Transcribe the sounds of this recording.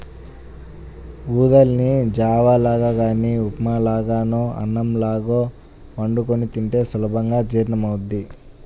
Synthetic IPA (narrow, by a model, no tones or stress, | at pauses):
uːd̪ɐlnid͡ʒaːʋaːlaːɡaːɡaːniupmalaːɡaːnoːɐ̰nːɐmlaːɡoː | ʋɐɳɖukonit̪iɳʈe̞ːsɐlɐbʱɐŋɡaːd͡ʒiːɾnɐmɐwud̪ːi